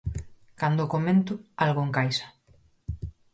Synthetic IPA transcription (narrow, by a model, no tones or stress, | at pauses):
kand̪okomẽnt̪ʊalɣoeŋkajsḁ